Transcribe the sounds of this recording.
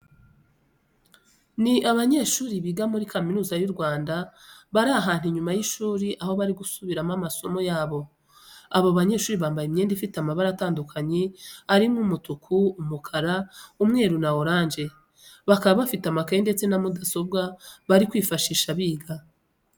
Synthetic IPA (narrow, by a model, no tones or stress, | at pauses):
niʔaβaɲe̞ːʃuːɾiβiɡamuɾikʰaminuːzajuɾɡwaːndaβaɾaɦaːn̥huɲumajiʃuːɾiʔaho̞βaɾiɡusuβiɾamamaso̞mo̞jaːβo̞ | aβaβaɲe̞ːʃuːɾiβaːmbajimɲeːndifitamaβaɾataːndukʰaɲeaɾimŋumutukʰuumukʰaɾaumŋe̞ːɾunaoɾaːnd͡ʒe̞ | βakaβaβafitamakaende̞t͡se̞namudaso̞bɡaβaɾikwiːfaʃiːʃaβiːɡa